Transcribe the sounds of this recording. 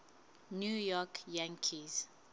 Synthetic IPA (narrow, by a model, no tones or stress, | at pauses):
njujɔkjãŋkʰiz